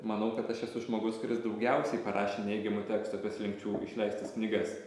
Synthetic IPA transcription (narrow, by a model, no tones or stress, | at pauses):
mɐnɐʊkɐt̪ɐʃɛsʊʒmoːɡʊskʊɾʲɪsd̪ɐʊɡʲɛʊsʲɛɪpɐɾʔɑːʃʲeːnʲɛɪɡʲɪmʊt̪ʲæːkʲst̪oːkʲɛslʲɪŋkt͡ʃʲuːɪ̰ʃʲlʲɛɪsʲt̪ʲɛsknʲiːɡɐs